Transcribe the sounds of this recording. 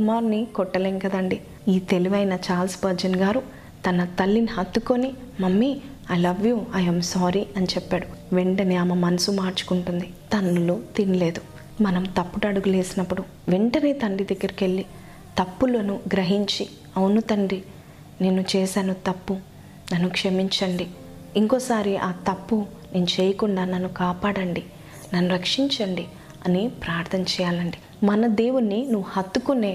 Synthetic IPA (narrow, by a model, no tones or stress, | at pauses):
kumaːɾnikɔʈːɐleːŋkɐd̪ɐɳɖi | iːt̪e̞liʋɐjnɐt͡ʃaːlsbɐɾd͡ʒɐnɡaːɾu | t̪ɐnɐt̪ɐlːinihɐt̪ːuko̞ni | mɐmːi | ɐlɐʋjuɐjɐmsaːɾiɐnit͡ʃɛpːaːɽuʋeɳʈɐniɐmɐmɐnɐsumaːɾt͡ʃu̥kuɳʈund̪it̪ɐnːulut̪inile̞ːd̪u | mɐnɐmt̪ɐpːuʈɐɽuɡule̞ːsinɐpːuɽu | ʋeɳʈɐneːt̪ɐɳɖid̪ɐɡːɐɾike̞ɭːi | t̪ɐpːulunuɡɾɐɦiɲt͡ʃi | ɐwunut̪ɐɳɖi | ne̞ːnut͡ʃɛːsaːnut̪ɐpːu | nɐnːukʂɐmiɲt͡ʃɐɳɖi | iŋkɔːsaːɾiʔaːt̪ɐpːu | ne̞ːnut͡ʃeːjɐkuɳɖaːnɐnːukaːpaːɽɐɳɖi | nɐnːuɾɐkʂiɲt͡ʃɐɳɖi | ɐnipɾaːɾt̪ʰɐnɐt͡ʃɛːjaːlɐɳɖi | mɐnɐd̪e̞ːwunːinuʋːuhɐt̪ːukune̞ː